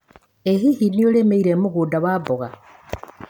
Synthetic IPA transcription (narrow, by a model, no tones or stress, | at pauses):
eçihinijolemeiɾemuɣudaβabuɣa